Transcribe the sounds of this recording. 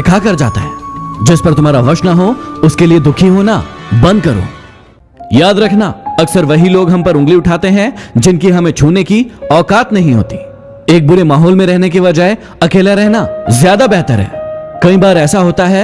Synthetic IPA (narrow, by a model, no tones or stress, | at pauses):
ɪkʰakɐɾd͡ʒa̰ːt̪a̰ɦɛːd͡ʒɪspɐɾt̪ʊmɦaːɾaʋɐʃnaɦoʊskelied̪ʊkʰiɦoːna̰bɐ̃nd̪kɐɾo̰ː | jaːd̪ɾɐkʰnaɐksəɾʋɐɦiloːɡɦɐ̃mpɐɾʊ̃ŋɡliʊʈʰaːt̪eɦɛ̃d͡ʒɪnkiɦɐmẽt͡ʃʰuːnekiɔːkaːt̪nɐɦĩɦo̰ːt̪i̥ | eːk̚bʊɾemaːɦɔːlmẽɾɛɦnek̬eʋɐd͡ʒae | ɐkeːlaɾɛɦnazjaːd̪abɛɦt̪əɾɦɛ̰ːkɐĩbaːɾɛːsaɦoːt̪aɦɛː